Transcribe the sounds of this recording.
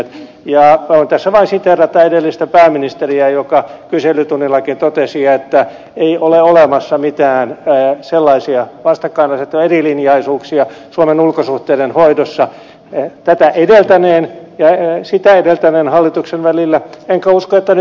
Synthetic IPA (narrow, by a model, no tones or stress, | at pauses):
t̪ | jɑont̪æsːæʋɑinsit̪erːɑt̪ːɑedelːist̪æpæːminist̪eriæjokɑkyselːˑyt̪unːilːɑkint̪ot̪esiɑet̪ːæ | eiʔoleolemɑsːɑmit̪æːnselːɑisiɑʋɑst̪ɑkːɑinɑset̪ːoerilinjɑisuːksiɑ | suomenulkosuht̪eːdenhoidosːɑ | t̪æt̪æʔedelt̪æneːnjɑsit̪æedelt̪æneːnhɑlːit̪uksenʋælilːæeŋkæuskoet̪ːæn